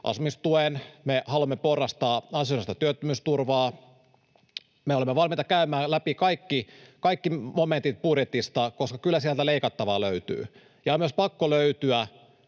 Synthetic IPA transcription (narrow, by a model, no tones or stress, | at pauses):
ʔɑ̰sumist̪uenmehɑluɑmːeporːɑst̪ɑːɑnsionest̪ɑt̪yøt̪ːømyst̪urʋɑː | meolemːeʋɑlmiːt̪ɑkæymæːlæpikɑikːikɑikːimoment̪it̪̚pudjet̪ist̪ɑkoskɑkylːæsiælt̪æleikɑt̪ːɑʋɑːløyt̪y̰ː | jɑomyøspɑkːoløyt̪yæ